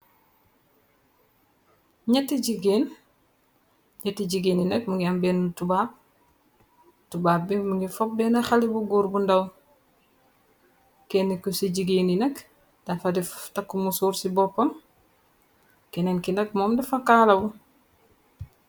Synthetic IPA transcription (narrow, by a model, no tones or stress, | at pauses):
ɲɛtːiɟiɡeːn | ɲɛtːiɟiɡeːninɐk̚muŋɡiɐmbɛːnutubaːp̚ | tubaːp̚bimuŋɡifɔp̚bɛːnɐxalibuɡuːɾbundɐw | kɛnːikːusiɟiɡeːninɐk | d̥afɐdiftɐkːumusuːɾsibɔpːɐm | kɛnɛnkinɐk̚mɔːmdɛfɐkaːlɐbu